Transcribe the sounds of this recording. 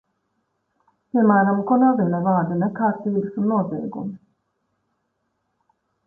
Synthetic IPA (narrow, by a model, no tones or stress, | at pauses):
piɛmæːɾamkɔnɛlvinɛvaːɾd̪enɛkaːɾt̪iːbɨsunːuɔzɛ̰ːɡums